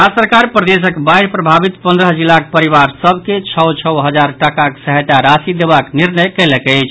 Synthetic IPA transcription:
asəɾkaɾpɾəd̪es̬əkbaiɾpɾəbʱabit̪pə̃nd̪ɾəɦd͡ʒilak̚pəɾiβaɾsəbʱket͡ʃʰəwt͡ʃʰəwɦəd͡ʒaɾʈəkaksəɦət̪aɾasid̪ebakniɾnəjkɛlɛkɛɪt͡ʃʰ

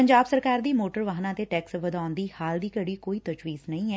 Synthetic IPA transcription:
pəɲd͡ʒaːbsəɾkaːɾd̪iːmoːʈəɾʋaːɦnãːt̪eːʈɛːksʋəd̪aːʊnd̪iːhaːld̪iːkəɽiːkoːiːt̪ət͡ʃʋiːznəĩːɛː

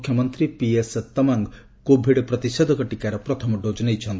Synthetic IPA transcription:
kʰjɔmɔnt̪ɾipiest̪ɔmaŋɡ | kobʱiɽpɾɔt̪isɔd̪ʱɔkɔʈikaɾɔpɾɔt̪ʰɔmɔɖod͡ʒɔnejt͡ʃʰɔnt̪

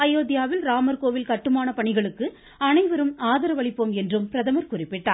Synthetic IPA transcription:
ɐjoːðɪjaːʋɪlɾaːmɐɾkoːʋɪlkɐʈːɯmaːnɐpɐɳɪɣɐɭɯkːɯ | ɐnɐɪʋɐɾɯmaːðɐɾɐʋɐɭɪpːoːmɛndrɯmpɪɾɐðɐmɐɾkʊrɪpːɪʈːa̰ː

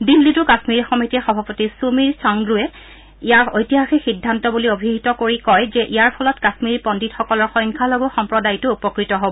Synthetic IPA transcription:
dilːitʊkaxmiɹxɔmitiɛxɔbʱapotisumiɹsaŋɹuɛ | ijaɹojtiɦaxɛxidʱːantɔbuliobʱiɦitɔkoɹikɔjzɛʔijaɹpʰɔlɔtkaxmiɹpɔnditxɔkɔlɔɹxɔjŋkʰalobɔxɔmpɹɔdajtʊupɔkɹitɔɦobɔ

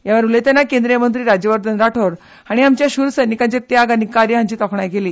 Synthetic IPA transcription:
jaʋəɾulet̪janːakẽnd̪ɾijəmənt̪ɾiːɾad͡ʑjəʋəɾd̪ənɾaʈʰoɾ | aɽ̃iamt͡ɕjaɕuɾsəjnikãɲt͡ɕet̪jaɡanikaɾjəɦãɲt͡ɕiːt̪ɔkʰɳajɡʱeliː

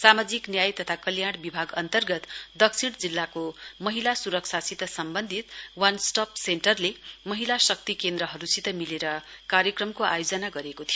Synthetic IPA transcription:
samad͡ziknjajt̪ʌt̪ʰakʌljaɽ̃bibʱaɡʌnt̪ʌrɡʌt̪d̪ʌksiɽ̃d͡zilːakomʌɦilasuɾʌksʰasit̪ʌsʌmbʌnd̪ʱit̪wansʈʌpseɳʈʌrlemʌɦilasʌkt̪ikend̪ɾʌɦʌɾusit̪ʌmileɾʌkaɾjʌkrʌmkoʔa̰jod͡zʌnaɡʌɾekot̪ʰijo

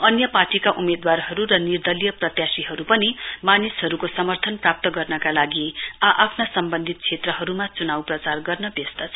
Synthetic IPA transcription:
ʌnjʌparʈikaʔumed̪warɦʌɾuɾʌnird̪ʌlijʌprʌt̪jasiɦʌɾupʌnimanisɦʌɾukosʌmʌrt̪ʰʌnprap̚t̪ʌɡʌrnʌkalaɡiaʔapʰnasʌmbʌnd̪ʱit̪̚kt͡sʰet̪rʌɦʌɾumat͡sunawprʌt͡sarɡʌrnʌbest̪ʌt͡sʰʌ

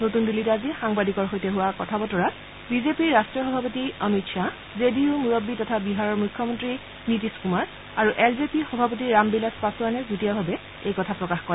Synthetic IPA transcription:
notundilːitazixaŋbadikɔɹxojtɛɦuwakɔtʰabɔtɔɹat | bizepiɹːastɹijɔxɔbʱapotiəmitʃa | zediumuɹɔbːitɔtʰabiɦaɹɔɹmujkʰːɔmɔntɹi | nitiskumaɹ | aɹuʔɛlzepixɔbʱapotiɹːambilaspasuanɛzutijabʱabɛ | ejkɔtʰapɹɔkaxkɔɹɛ

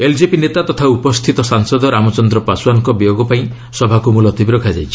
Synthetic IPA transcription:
eld͡ʒepinet̪at̪ɔt̪ʰaupɔst̪ʰit̪ɔsaŋsɔd̪ɔɾamɔt͡ʃɔnd̪ɾɔpasuwankɔbijoɡɔpaĩ | sɔbʱakumulɔt̪ibiɾɔkʰad͡ʒajt͡ʃʰi̥

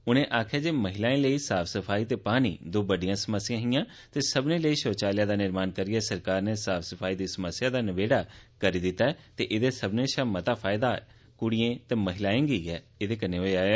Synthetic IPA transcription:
ʊnẽːʔaːkʰjaːd͡ʒeːməɦɪlaːẽləiːsaːfʰsəpʰaːiːt̪eːpaːnḭːd̪oːbəɖijãːsəməsːɪjãːɦɪjãː | t̪eːsəbnẽːləiːʃoːt͡ʃaːlɪjaːd̪aːnɪɾmaːnkəɾiɛːsəɾkaːɾneːsaːpʰsəpʰaːiːd̪iːsəməsːjaːd̪aːnɪʋeːɽaːkəɾiːd̪ɪt̪ːaːɛːt̪eʔɪd̪eːsəbnẽːʃamət̪aːpʰaːɪd̪aː | kʊɽɪjẽːt̪eːməɦɪlaːẽːɡiɛː | ɪd̪eːkəneːɦoːeaː

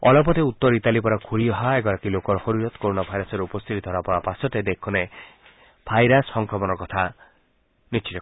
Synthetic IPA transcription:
ɔlɔpɔt̪eut̪ːɔɾitalipɔɾakʰuɾiɔɦaeɡɔɾakilokɔɾɔhoɾiɾɔt̪koɾonabʱajɾɔsɔɾeupɔst̪ʰit̪id̪ʱɔɾapɔɾapasɔted̪ekʰune | b̥ʱajɾasːɔŋkɾɔmɔnɔkɔt̪ʰa | nit͡ʃitɔ

